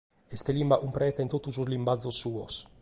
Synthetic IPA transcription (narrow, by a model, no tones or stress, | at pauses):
est̪elimbaʔumpɾɛːt̪eint̪ot̪ːusuzlimbad̪zːosːuːos